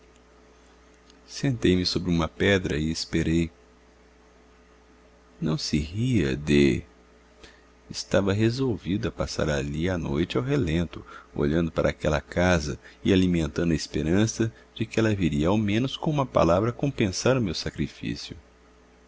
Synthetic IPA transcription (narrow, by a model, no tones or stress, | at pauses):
sẽnt̪ejmɪsobɾɪũmɐpɛd̪ɾɐɪːspeɾej | nɐ̃w̃sɪhiɐ̰d̪ɪ | ɪst̪avɐɦezowvid̪ʊɐpasa̰ɾa̰lianojt͡ʃɪawɦelẽnt̪ʊo̰ʎɐ̃nd̪ʊpaɾʔɐaːkɛlɐ̰kazɐɪalimẽnt̪ɐ̃nd̪ɐespeɾɐ̃sɐ | d͡ʒɪkɪɛlɐviɾiɐawmẽnʊskõũmɐpa̰lavɾɐkõpẽsaɾʊmewsakɾifḭsjʊ